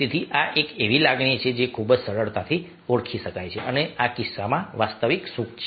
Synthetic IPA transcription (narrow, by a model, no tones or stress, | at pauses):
et̪ʰiʔaʔekeʋilaɡɳ̃it͡ʃʰed͡ʒekʰubd͡ʒsəɽəɭt̪at̪ʰi | oɽkʰiʃəkajt͡ʃʰeʔəneakisːamãʋast̪əʋiksukt͡ʃʰe